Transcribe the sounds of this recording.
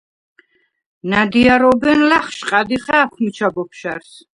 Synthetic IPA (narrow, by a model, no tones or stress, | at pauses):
nad̪iaɾɔbɛnlaχʃqʼad̪iχaːkʷʰmit͡ʃʰabɔpʰʃaɾs